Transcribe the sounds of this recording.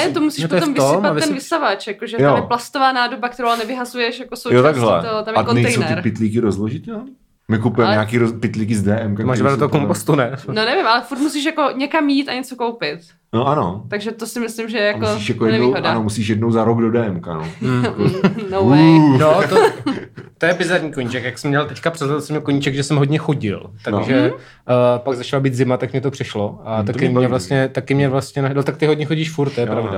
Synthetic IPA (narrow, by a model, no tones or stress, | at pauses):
nɛt̪omusiːʃpoɛt̪omvɪsɪmpab̪ɛnvɪsavat͡ʃjakoʒɛtjoamjplast̪ovaːnaːdobak̚t̪ɛɾowanɛvɪɦazujɛʃjakosowjot̪aɡɦlɛ̰t̪ot̪amjkonɛj̪ɛjsowɛt̪ɾpɪt̪liːkɪɾozloʒɪt̪no | mɪkupujɛmɛɲaːkiːɾopɪt̪liːkɪzdɛːʔɛmkamaːɾaokompost̪unɛnonɛvɪmʔalɛfuɾt̪musiːʃjako̞ɲɛkamjiːt̪aɲɛt͡sokowpɪt̪ | noʔano̰t̪aɡʒɛt̪osɪmɪslɪmʒɛjɛjaoiʃjakojɛnɛviɦodanomusiːʃjɛdnowzaɾoɡdodɛːɛmka̰no | nonot̪o | t̪ojɛbɪzaɾɲiːkoɲit͡ʃɛkjaksɛmɲɛlt̪ɛckapr̝̥ɛzlɛt̪lsɛmɲɛkoɲit͡ʃɛɡʒɛsɛmɦodɲɛxo̞ɟɪ̰lt̪aʒɛ | paɡzat͡ʃalabiːt̪zɪmat̪akmɲɛt̪opr̝̥ɪʃloʔat̪akɪmɲɛvlast̪ɲɛt̪akɪmɲɛvlast̪ɲɛnanot̪ak̚t̪ɪɦodɲɛxoɟiːʃfuɾt̪̚t̪ojɛppɾavda